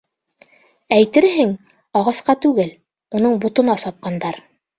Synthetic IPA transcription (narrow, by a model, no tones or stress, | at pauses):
æjt̪ɘɾɦɘŋ | ɑʁɑsqɑt̪ʉɡɘl | unɤɴbut̪ɤ̆nɑsɑp̚qɑnd̪ɑɾ